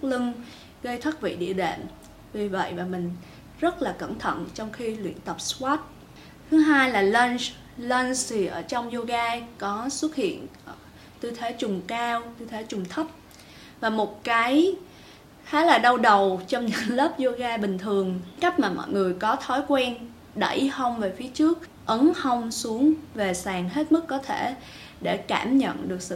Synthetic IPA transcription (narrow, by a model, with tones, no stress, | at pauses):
k̚lɨ˧ŋ | ɣə˧jt̪ʰə˦˥t̚vḭ˧˨ɗḭ˧˨əɗḛ˧˨m | vi˨˩və̰˧˨jvaː˨˩mï˨˩ŋ̟ | zə˦˥t̚laː˨˩kə̰˧˩nt̪ʰə̰˧˨nt͡ɕɔ˧wŋ͡mxi˧lwḭ˧˨ənt̪ə˨˩p̚swaː˦˥t̚ | t̪ʰɨ˨˦ɦaː˧jlaː˨˩lə˧ns | lə˧nst̪ʰi˨˩ʔəː˧˩t͡ɕɔ˧wŋ͡mzo˧ɣaː˧kɔ˨˦swə˦˥t̚hḭ˧˨ən˧˩ | t̪ɨ˧t̪ʰe˨˦t͡ɕʊ˨˩ŋ͡mkaː˧wt̪ɨ˧t̪ʰe˨˦t͡ɕʊ˨˩ŋ͡mt̪ʰə˦˥p̚ | vaː˨˩mo˨˩t̚kaː˨˦j | xaː˨˦laː˨˩ɗə˧wɗə˨˩wt͡ɕɔ˧wŋ͡mɲɨ̰˧˥ŋlə˦˥p̚zo˧ɣaː˧ɓï˨˩ŋ̟t̪ʰɨ˨˩əŋka˦˥k̟̚maː˨˩mɔ̰˧˨jŋɨ˨˩əjkɔ˨˦t̪ʰɔ˨˦jkwɛ˧n | ɗə˧˩jhə˧wŋ͡mve˨˩fi˨˦ət͡ɕɨ˦˥ək̚ | ʔə˨˦nhə˧wŋ͡msu˨˦əŋve˨˩saː˨˩ŋɦe˦˥t̚mɨ˦˥kːɔ˨˦t̪ʰe˧˩ | ɗe˧˩ka̰ː˧˩mɲə̰˧˨nɗɨ˨˩ək̚sɨ̰˧˨